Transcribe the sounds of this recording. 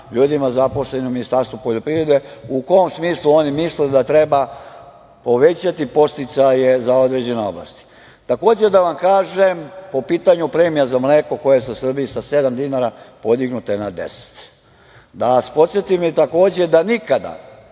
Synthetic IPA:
ʎuːd̪imazapo̞sleniuminist̪aɾst̪ʋupo̞ʎo̞pɾiʋɾe̞d̪e̞uko̞omsmiːslˠuo̞nimisled̪at̪ɾe̞ba | po̞ʋe̞t͡ɕat̪ipo̞st̪it̪saje̞zao̞d̪ɾed͡ʑe̞neo̞̰blˠa̰st̪i̥ | t̪ako̞ːd͡ʑed̪aʋamkaːʒempo̞piːt̪aɲupɾe̞ːmijazamleːko̞ko̞jesusr̩bijisase̞d̪amd̪inaɾapo̞d̪iɡnut̪enad̪e̞̰se̥t̪ | d̪aspo̞t̪sjet̪imjet̪ako̞ːd͡ʑe̞d̪anikad̪a̰

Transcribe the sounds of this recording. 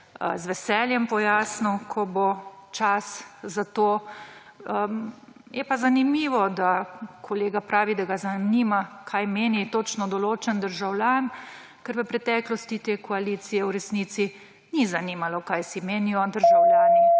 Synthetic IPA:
zʋɛsɛljɛmpɔjaːsnukʰɔbot͡ʃaszat̪oː | ə | jɛpazanimiːʋɔd̪akʰɔleːɡapɾaːʋid̪aɡazanimakʰajmeːnit̪ot͡ʃnɔd̪ɔloːt͡ʃɛnd̪əɾʒawlʲjan | kɛɾʋəpɾɛt̪ɛːklɔst̪it̪eːkɔaliːt̪sijɛwɾɛsniːt̪si | nizaniːmalɔkajsimeːnijɔd̪əɾʒawlʲjaːni

